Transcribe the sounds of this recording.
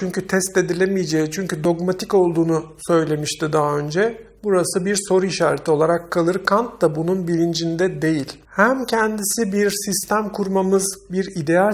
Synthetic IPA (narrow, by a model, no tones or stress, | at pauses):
t͡ʃʰyɲcyt̪ʰɛst̪ed̪ilʲemijed͡ʒejit͡ʃʰyɲcyd̪o̞ɡmat̪ʰiko̞lˠd̪uːnusø̞jlʲe̞miʃt̪id̪aɦaønd͡ʒɛbuɾasɯbiɾso̞ɾuiʃaːɾet̪ʰio̞lˠaɾakʰːalˠɯɾkʰant̪d̪abununbilʲind͡ʒind̪ɛd̪e̞jilʲ | hæmcʰɛnd̪isibiɾsist̪ʰæmkʰuɾmamɯzbiɾid̪e̞a